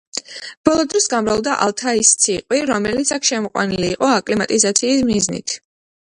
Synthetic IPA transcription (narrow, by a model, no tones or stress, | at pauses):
b̥ɔlˠɔd̪ɾɔsɡamɾalˠd̪aʔa̰lˠt̪ʰaist̪sʰiqʼwiɾɔmɛlit̪sʰakʰʃɛmɔqʼwa̰niliːqʼɔakʼlimat̪ʼizat̪sʰiːsmiznḭt̪ʰ